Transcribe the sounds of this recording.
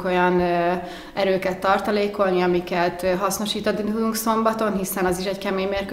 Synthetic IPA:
ko̞jɒn | ɛɾøːkɛt̪ːɒrt̪ɒleːko̞lniɒmikɛt̪ɦɒsno̞ʃiːt̪ɒd̪iud̪uŋkso̞mbɒt̪o̞nɦisɛnɒziʃɛɟkɛmeːɲmeːrk

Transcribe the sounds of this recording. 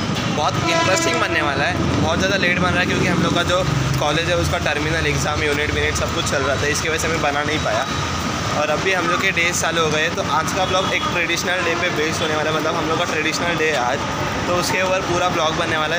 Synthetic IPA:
bɔːt̪ɪ̃npɾəsɪ̃ŋbɐnːeʋaːlaɦɛː | bɔːt̪zjaːd̪aleːɖbɐnɾaːɦɛkjõːkiɦɐmloːɡkad͡ʒoːkɔːleːd͡ʒɦɛʊskaʈɐɾmɪnəlɛɡzaːmjuːnɪʈmɪnɪʈsɐb̚kʊt͡ʃʰt͡ʃɐlɾaɦat̪aɦɛɪskeʋɐd͡ʒəseɦɐmẽbɐnanɐɦĩpaːja | ɔːɾɐbːiɦɐmloːɡkeɖeːsaːlɦoɡɐeɦɛt̪oʔaːd͡ʒkablɔːɡeːk̚ʈɾeɖiʃnəlɖeːpebeːsʈɦoːneʋaːlalɦɛmɐt̪ləbɦɐmloːɡkaʈɾɛɖiʃnəlɖeːaːd͡ʒ | t̪oʊskeuːpəɾpuːɾablɔːɡbɐnːeʋaːla

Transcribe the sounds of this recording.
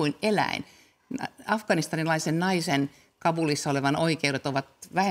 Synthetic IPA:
uinelæ̰ḭn | ɑfkɑnist̪ɑnilɑisennɑisen | kɑbulisːɑoleʋɑnoikeuɾet̪oʋɑt̪ʋæhe

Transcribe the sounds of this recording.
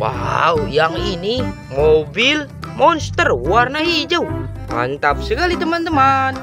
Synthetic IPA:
wa̰wjaŋini | mobil | mɔnst̪əruarnaɦid͡ʒəu | ma̰nt̪ap̚səkalit̪əmant̪əman

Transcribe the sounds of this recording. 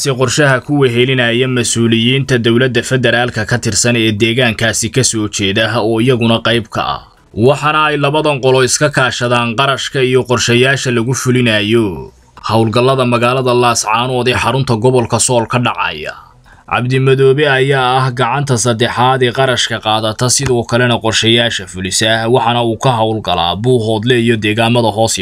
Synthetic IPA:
sɪqɔrʃɐɦɐkʰʊwɛɦɛlɪnɐjɐmɐsuːlɪjiːnt̪ʰɐd̪ɔwlɐd̪ːɐfɛd̪ɛɾaːlkʰɐkʰɐt̪ʰɪrsɐnɛːd̪ɛːɣaːŋkʰaːsɪkʰɐsɔːt͡ʃɛːðɐɦɔːɪjɐɣʊnɐqɑjbkʰɐ̰ʔɐ̰ | wɑħɑnɐɛjlɐβɐðɐŋqɔlɔɪskʰɐkʰaːʃɐðaːnqɑɾɐʃkʰɐijɔqɔrʃɐjaːʃɐlɐɣʊfʊlɪnɐjɔ | hɑwlɡɐlːɐðɐmɐɣaːlɐðɐlaːsʕɑːnɔːd̪ɛːħɑɾʊnt̪ʰɐɡɔβɔlkʰɐsɔːlkʰɐɖɑʕɑ̰ːjɐ̰ | ʕɑ̰bd̪ɪmɐðɔːβɛɐjaːɐhɡɑʕɑnt̪ʰɐsɐd̪ɛħaːðɛːqɑɾɐʃkʰɐqɑːðɐt̪ʰɐsɪðɔːkʰɐlɛnɐqɔrʃɛjaːʃɐfʊlɪsɐhwɑħɑnɐuːkʰɐɦɑwlɡɐla̰ːbuːɦɔːd̪lɛijɔd̪ɛːɣaːmɐðɐɦɔːs

